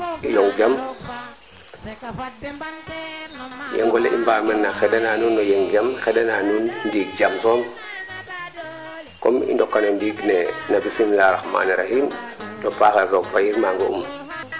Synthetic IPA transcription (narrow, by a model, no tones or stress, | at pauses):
ijɔŋd͡ʒam | jɛ̰ŋɡɔleʔimbaːmɛnːaxɛdananunːojeŋd͡ʒamxɛdananunndiɡ̚d͡ʒamsɔm | kɔmḭndɔkːanondiːɡnenabisimlaɾaxma̰ːniɾahimdɔpaːxasɔk̚bajiɾmaŋɡoṵm